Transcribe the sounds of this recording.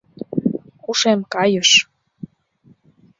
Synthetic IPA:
kuʃemkɑjəʃ

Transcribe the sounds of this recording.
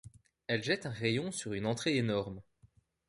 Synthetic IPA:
ɛlʒɛt̪ɛ̃ʁejɔ̃syʁynɑ̃t̪χeenɔʁm

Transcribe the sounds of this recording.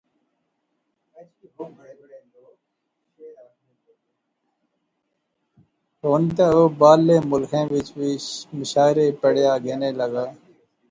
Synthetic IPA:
o | oːnt̪̬eoːbaːlːeːmʊlkʰẽːʋɪt͡ʃʋimɪʃaːɪɾeːpəɽjaːɡeːneːləɡaː

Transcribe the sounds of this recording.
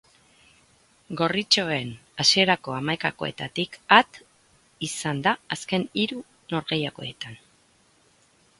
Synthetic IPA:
ɡo̞rit͡ʃo̞e̞nasie̞ɾako̞amajkako̞̰e̞̰t̪at̪ikat̪ | isand̪aːske̞niɾu | no̞ɾɣe̞jako̞̰e̞t̪an

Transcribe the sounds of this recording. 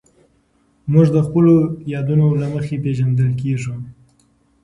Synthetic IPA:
muʐd̪əxpəlojɑd̪unolaməxepeʒand̪əlkeʐu

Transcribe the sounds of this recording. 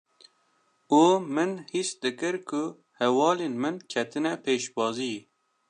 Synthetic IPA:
uːmɨnhisd̪ɨkɨɾkʰʊ | hɛwɑːleːnmɨnkʰɛt̪ʰɨnɛpʰeːʃbɑːzi

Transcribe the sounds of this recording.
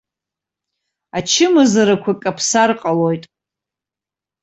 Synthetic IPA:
at͡ʃʰɪmɨzaɾakʷʰakʼapʰsarqʼalojtʼ

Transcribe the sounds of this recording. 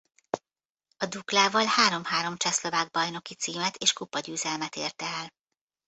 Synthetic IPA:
ɒd̪uklaːvɒlhaːɾo̞mhaːɾo̞mt͡ʃɛslo̞vaːɡ̚bɒjno̞kit̪siːmɛt̪ʰeːʃkupɒɟyːzɛlmɛt̪ḛːrt̪ɛɛl

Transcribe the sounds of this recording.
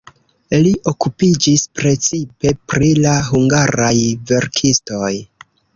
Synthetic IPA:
liʔo̞kupid͡ʒispɾe̞t͡sipe̞pɾilaɦuŋɡaɾajve̞ɾkʰisto̞j

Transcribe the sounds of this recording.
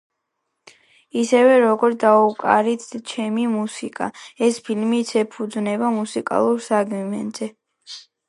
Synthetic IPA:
isɛvɛɾɔɡɔɾt̪d̪aukʼa̰ɾit̪t͡ʃʰɛmimusikʼa̰ɛspʰilmit̪sʰɛpʰud̪znɛbamusikʼa̰lˠuɾsaɡmimɛ̰nz̥ɛ

